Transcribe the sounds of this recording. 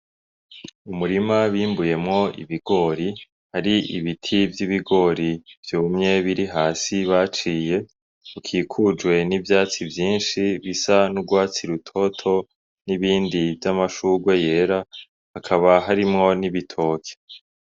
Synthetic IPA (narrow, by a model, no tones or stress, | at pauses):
umuɾimaβiːmbuje̞mŋo̞ḭβiɡ̥o̞ɾi | haɾiḭβitʰivjiβiɡo̞ɾiv̥juːmɲe̞βiɾiɦaːsiβat͡ʃiːje̞ | ukʰiːkʰud͡ʒɡwe̞nivjaːt͡sivjiːnʃiβisanuɡwaːt͡siɾutʰo̞tʰo̞ | niβiːndivjamaʃuːɡwe̞je̞ːɾa | hakʰaβaɦaɾimŋo̞niβitʰo̞ːkʰe̥